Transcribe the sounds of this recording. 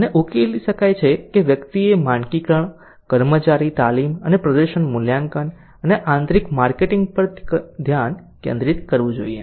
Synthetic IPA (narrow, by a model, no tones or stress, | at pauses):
əneʔukeliʃəkajt͡ʃʰekeʋjəkt̪iemãɳkikəɳ | kəɾmət͡ʃaɾit̪alimənepɾəd̪əɾʃəɳmʊljãŋkən | əneʔãnt̪ɾikmaɾkeʈiŋɡ̚pəɾd̪ʱjan | kḛ̃nd̪ɾit̪kəɾʋũd͡ʒoiḛ